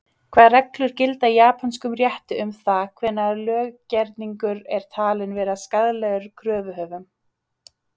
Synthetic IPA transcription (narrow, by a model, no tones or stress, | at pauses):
kʰvaːðrɛklʏɾ̥cɪlt̪ajaːpʰanskʏmrjɛht̪ʏʏmθakʰv̥ɛnːaɾlœːɣcɛɾt̪niŋkʏɾɛɾ̥t̪ʰaːlɪnvɛːɾaskaðlɛɣʏɾkʰɾœːvʏɦœːvʏm